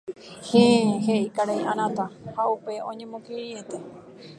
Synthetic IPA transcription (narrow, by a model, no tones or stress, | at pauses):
heɦeʔikaɾaj̃ãɾ̃ãt̪ahaupe̞õɲẽmõkeiet̪e